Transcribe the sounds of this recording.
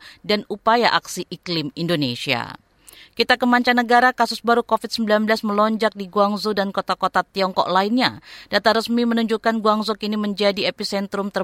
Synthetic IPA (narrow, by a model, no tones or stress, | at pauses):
danupajaʔaksiʔiklɪmindonesia̰ | kit̪akəmaɲt͡ʃanəɡaɾakasʊsbaɾukofit̪̚səmbilanbəlasməlɔɲd͡ʒak̚diɡuaŋzudankot̪akot̪at̪iɔŋkɔ̰k̚lainɲa̰d̥at̪aɾəsmimənuɲd͡ʒukanɡuaŋzɔkiniməɲd͡ʒadiepisɛnt̪ɾʊmt̪ə